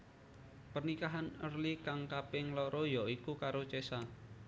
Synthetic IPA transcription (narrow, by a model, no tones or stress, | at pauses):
pərnikaɦanə̰rlikaŋkapɪŋlɔɾɔjɔʔikukaɾot͡ʃesa